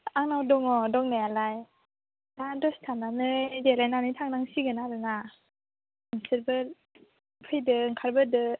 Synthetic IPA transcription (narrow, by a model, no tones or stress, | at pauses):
aŋnawdɔŋɔdɔŋnajalaj | nadɔstʰananɯdelajnanɯjtʰaŋnaŋsiɡɯnaɾɯna | ŋsɯɾbɯ | pʰɯjdɯŋkʰaɾbɯdɯ